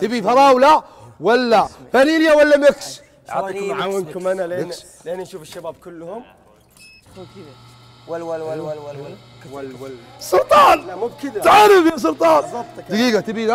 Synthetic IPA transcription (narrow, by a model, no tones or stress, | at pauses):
t̪ɪbifɑɾˤɑːwla | walːafaniːljawalːamɪks | t̪ːʕawɪnkʊmanaɪ | lʔɪnːnʃuːfɪʃːabaːb̚kʊlːhʊm | sʊlt̪ˤɑːnmʊbkt̪ʕaɾɪfjas̬ʊlt̪ˤɑːnd̪aɡiːɡat̪ɪbid̪a